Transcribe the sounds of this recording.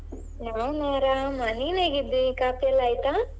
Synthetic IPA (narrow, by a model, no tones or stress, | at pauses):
naːʋwnaːɾamɐnineːɡid̪ːikaːp̪ijɐlaːjt̪a